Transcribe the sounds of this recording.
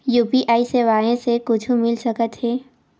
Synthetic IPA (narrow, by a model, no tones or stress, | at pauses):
juːpiʔaːiseːʋaːẽsekʊt͡ʃʰumɪlsɐkət̪ɦɛː